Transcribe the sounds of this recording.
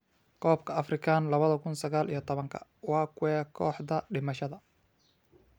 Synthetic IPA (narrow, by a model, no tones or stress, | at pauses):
kʰɔːb̚kʰɐɐfrɪkʰaːnlɐβɐðɐkʰʊnsɐɣaːlḭjɞt̪ʰɔβɐŋkʰɐ̰wɑːkʰʊwɛːkʰɔːħd̪ɐɖɪmɐʃɐðɐ